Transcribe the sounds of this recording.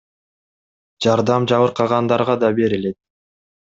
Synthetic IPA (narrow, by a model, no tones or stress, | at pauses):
d͡ʒɑɾd̪ɑmd͡ʒɑβɯɾqʰɑʁɑnd̪ɑɾʁɑd̪ɑbe̞ɾile̞t̪̚